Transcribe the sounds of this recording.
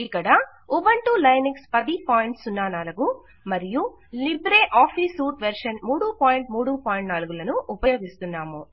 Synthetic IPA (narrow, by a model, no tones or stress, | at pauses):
ikːɐɽɐ | ubɐɳʈuːlɐjnikspɐd̪ipaːjiɳʈsunːaːnaːlɐɡu | mɐɾiju | libɾeːʔaːpʰiːsuːʈʋeɾʂɐnmuːɽupaːjiɳʈmuːɽupaːjiɳʈnaːluɡulɐnuʔupɐjoːɡ̪ist̪unːaːmu